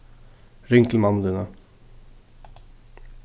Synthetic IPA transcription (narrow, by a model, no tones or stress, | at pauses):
ɾɪŋkl̩mɑn̩ːd̪iːnə